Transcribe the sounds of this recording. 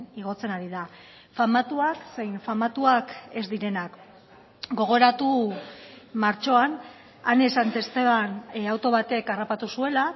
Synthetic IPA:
iɣ̞o̞t͡se̞naɾiða | famat̪uakse̞jnfamat̪uake̞zd̪iɾe̞nak | ɡo̞ɣ̞o̞ɾat̪u | maɾt͡ʃo̞an | anesant̪e̞st̪e̞βanawt̪o̞β̞at̪e̞karapat̪usue̞la

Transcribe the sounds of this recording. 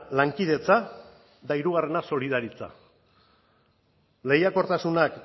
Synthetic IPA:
laŋkið̞e̞t͡sa | d̪aiɾuɣare̞naso̞liðaɾit͡sa̰ | le̞jako̞ɾt̪asunak

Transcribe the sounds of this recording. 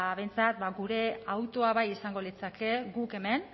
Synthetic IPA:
βe̞nt͡sat̪baɡuɾe̞awt̪o̞aβajisaŋɡo̞lit͡sake̞ɡuke̞me̞n

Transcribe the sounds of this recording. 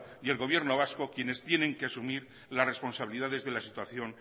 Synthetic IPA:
ie̞lɣo̞β̞je̞ɾno̞β̞asko̞kje̞ne̞st̪je̞nẽ̞ŋkeasumiɾ | lasre̞spo̞nsaβiliðaðe̞zðe̞lasit̪waθjo̞n

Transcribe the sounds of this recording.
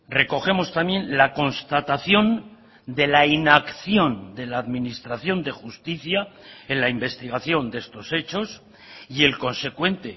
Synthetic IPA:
re̞ko̞xe̞mo̞st̪amje̞nlako̞nst̪at̪aθjo̞n | d̪e̞lainakθjo̞nd̪e̞laːðmĩnist̪ɾaθjo̞nd̪e̞xust̪iθjae̞nlaimbe̞st̪iɣ̞aθjo̞nd̪e̞st̪o̞se̞t͡ʃo̞s | ie̞lko̞nse̞kwe̞nt̪e̞

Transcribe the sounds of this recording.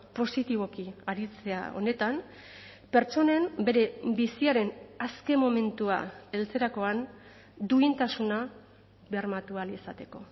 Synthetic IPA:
po̞sit̪iβ̞o̞kiaɾit͡se̞a̰o̞̰ne̞t̪am | pe̞ɾt͡ʃo̞ne̞mbe̞ɾe̞bisiaɾe̞naske̞mo̞me̞nt̪ua̰e̞lt͡se̞ɾako̞an | d̪uint̪asuna | βeaɾmat̪ualisat̪e̞ko̞̰

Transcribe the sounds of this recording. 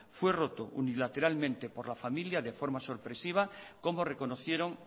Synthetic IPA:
fwe̞ro̞t̪oṵnilat̪e̞ɾalmẽnt̪e̞po̞ɾlafamiljaðe̞fo̞ɾmasoɾpɾe̞siβ̞ako̞mo̞re̞ko̞noθje̞ɾo̞ŋ

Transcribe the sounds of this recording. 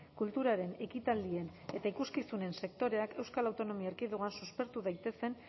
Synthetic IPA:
kult̪uɾaɾe̞ne̞kit̪ald̪ie̞n | e̞t̪aikuskisune̞nse̞k̚t̪o̞ɾe̞ake̞wskalawt̪o̞no̞miaeɾkiðuɣansuspe̞ɾt̪uðajt̪e̞se̞n

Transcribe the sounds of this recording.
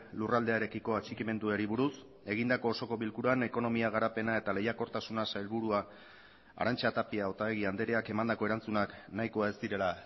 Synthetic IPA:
lurald̪e̞aeɾe̞kiko̞at͡ʃikime̞nd̪ueɾiβuɾus | e̞ɣ̞ind̪ako̞ːso̞ko̞βilkuɾane̞ko̞no̞miaɣ̞aɾape̞nae̞t̪ale̞jako̞ɾt̪asunasajlβuɾua | a̰ɾant͡ʃat̪apiao̞t̪aβe̞ɣ̞iand̪e̞ɾe̞ake̞mand̪ako̞e̞ɾant͡sunaknajkoae̞szd̪iɾe̞la

